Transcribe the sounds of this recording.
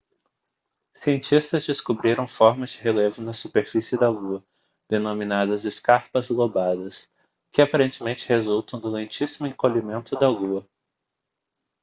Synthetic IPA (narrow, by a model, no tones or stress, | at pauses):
siẽnt͡ʃist̪ɐzd͡ʒɪskubɾiɾɐ̃w̃fɔɾmɐzd͡ʒɪɦelevʊnɐsupeɾfisɪd̪ɐɡuɐ | d̪̥enõmĩnad̪ɐzɪskaɾpɐzɡobad̪ɐs | kɪapaɾẽnt͡ʃɪmẽnt͡ʃɪ̥hezult̪ɐ̃w̃d̪ʊlẽnt͡ʃisimʊẽkoʎimẽnt̪ʊd̪ɐɡuɐ